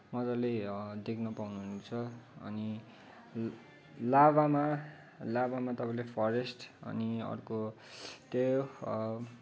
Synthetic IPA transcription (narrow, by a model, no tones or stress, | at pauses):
mʌd͡zʌled̪ekʰnʌpawnuɦunt͡sʰʌʌ̰ni | laβama | labamat̪ʌpãĩlepʰʌɾesʈʌ̰niʌ̰rko | t̪e